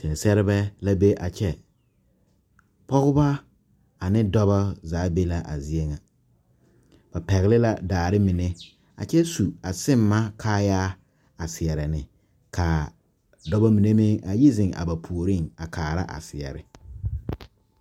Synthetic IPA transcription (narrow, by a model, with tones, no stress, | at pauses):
sɛ˨sɛ˦ɾɪ˦bɛ˦la˦be˦ʔa˨t͡ʃɛ˦ | pɔ˦ɣʊ˦ba˦ | a˨nɪ˦dɔ˦ba˦zaː˨˦be˦la˦ʔa̰˨zi˦e˦ŋa˨ | b̥a˨pɛ˨ɣɪ˨lɪ˦la˦daː˨ɾɪ˦mi˨ne˦ | a̰˨t͡ʃɛ˦su˨a˨sɪ˦mːa˦kʰaː˦jaː˦ | a˨sɪ˨ɛ˨ɾɪ˨nɪ˨ | kʰa˨ | dɔ˦bɔ˦mi˨ne˦mɪ˦ŋa˨ji˦zɪ˨ŋa̰˨ba˨pʰu˨o˨ɾi˦ŋa˨kʰaː˨ɾa̰˦ʔa̰˨sɪ˨ɛ̰˨ɾɪ̰˨